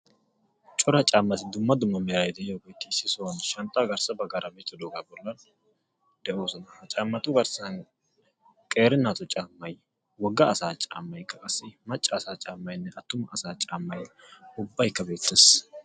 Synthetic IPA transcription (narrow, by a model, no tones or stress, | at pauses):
t͡ʃʼɔɾɐt͡ʃʼaːmːɐsɪd̪ʊmːɐd̪ʊmːɐmeɾɐjd̪ɛjobeːt̪ːɪsɪsonʃɐnt̪ʼːaɡɐɾsɐbɐɡaɾɐmet̪ːɔd̪oɡɐbɔlːɐn | d̪̥ɛʔoːsɔnɐhɐt͡ʃʼaːmːɐt̪ʊɡɐɾsɐn | kʼeːɾɪnːaːt̪ɔt͡ʃʼaːmːɐj | wɔɡːɐːsaːt͡ʃʼaːmːɐjkːɐkʼɐsɪmɐt͡ʃʼːɐːsaːt͡ʃʼaːmːɐjnːɛʔɐt̪ːʊmɐːsaːt͡ʃʼaːmːɐjʊbːɐjkːɐbe̞ːt̪ːɛs